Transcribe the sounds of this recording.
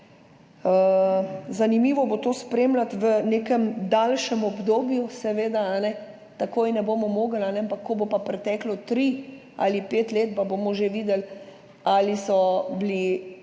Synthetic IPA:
ə | zanimiːʋɔbot̪oːspɾeːmlat̪ʋəneːkɛmd̪alʃɛmɔbd̪oːbjusɛʋeːd̪aanɛ | t̪akoːjnɛboːmɔmoːɡəlanɛampakʰːɔbopapɾɛt̪ɛːklɔt̪ɾi | a̰lipeːt̪leːt̪pabomɔʒeʋiːd̪ɛl | alisɔbli

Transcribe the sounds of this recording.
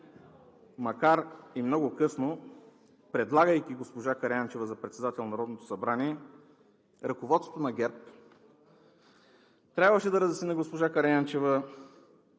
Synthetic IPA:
mɐkaɾimnɔɡʊkɤsno | pɾɛd̪lˠaɡəjkiɡospoʒakɐɾant͡ʃɛvəzɐpɾɛt̪sɛd̪at̪ɛlˠnɐɾɔd̪not̪o̥sɐbɾaniɛ | ɾɐkovɔt̪so̥t̪onɐɡɛɾp | t̪ɾʲabvəʃɛd̪ɐɾəzɛsnʲinəɡospoʒakɐɾɛjant͡ʃɛvə

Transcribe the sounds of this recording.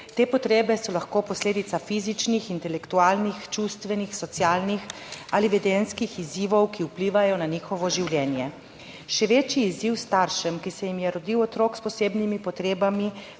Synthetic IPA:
t̪eːpɔt̪ɾeːbɛsɔlaxkoːpɔsleːd̪it̪safizit͡ʃnixint̪ɛlɛkt̪uaːlnixt͡ʃust̪ʋɛnixsɔt̪sjaːlnix | aliʋɛd̪enskixiziːʋɔwkiupliːʋajɔnaniːxɔʋɔʒiwljɛːnjɛ | ʃɛʋeːt͡ʃjiːziwst̪aɾʃɛmkisɛjimjɛɾɔd̪iwɔt̪ɾoːkspɔseːbnimipɔt̪ɾeːbami

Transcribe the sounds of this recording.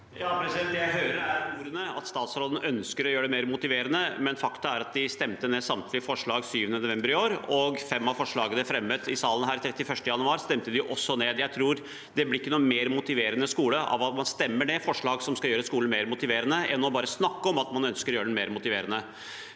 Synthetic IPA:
jɑːpɾɛsɛjæɪɦœʏɾəɾæɾuːɾənəɑ̰t̪st̪ɑːt̪sɾɔlnəʔœnskəɾɔjøːɾəɖɛmeːɾmʊt̪ɪʋeːɾənəmɛnfɑkt̪əæɾɑt̪̚d̪ɪst̪ɛmt̪əneːsɑmt̪ʰlɪfɔʂɭɑːɡsyːʋənənʊʋɛmbəɾɪoːɾɔɡfɛmːɑʋfɔʂɭɑːɡənəfɾɛmːət̪ɪsɑːlənɦæːɾt̪ʰɾɛt̪ːɪfœʂʈəjɑnʉɑːɾst̪ɛmt̪əd̪ɪʊʔɔsːɔneːd̪jæɪt̪ʰɾuːɾ | d̪ɛblɪɪkːənuːmeːɾmʊt̪ɪʋeːɾənəskuːləʔɑ̰ʋɑt̪mɑnst̪ɛmːəɳeːfɔʂɭɑːɡsɔmskɑjøːɾəskuːln̩meːɾmʊt̪ɪʋeːɾənəʔɛnːɔbɑːɾəsnɑkːəɔmɑt̪mɑnœnskəɾɔjøːɾəɖɛmeːɾmʊt̪ɪʋeːɾənə

